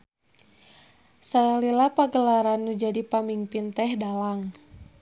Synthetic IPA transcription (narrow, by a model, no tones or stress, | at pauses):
saalilapaɡəlaɾanːud͡ʒadipamimpint̪ɛhdalaŋ